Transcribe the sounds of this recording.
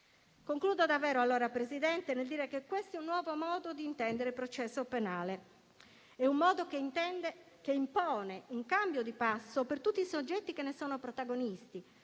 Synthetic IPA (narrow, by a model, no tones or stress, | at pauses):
koŋkluːd̪od̪avːɛːɾoalːoːɾapɾezid̪ɛnt̪eneld̪iːɾekekːwest̪oɛunːwɔːvomɔːd̪od̪iːnt̪ɛnd̪eɾepɾot͡ʃɛsːopenaːle | ɛummɔːd̪ok̪ | keimpɔːneuŋkambjod̪ipasːopert̪ut̪ːisod͡ʒːɛt̪ːikenːesɔːnopɾot̪aɡonist̪i